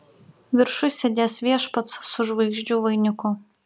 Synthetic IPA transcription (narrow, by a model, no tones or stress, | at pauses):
ʋʲɪɾʃʊsʲed̪ʲeːsʋʲiɛʃpɐt̪ssʊʒʋɐɪɡʒʲd͡ʒʲuːʋɐɪnʲʊkʊ